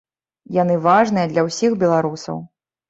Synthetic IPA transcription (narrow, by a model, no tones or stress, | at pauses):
jan̪ɨvaʐnɨjɐd̪lʲɐwsʲixbʲɛlˠaɾusɐ̰w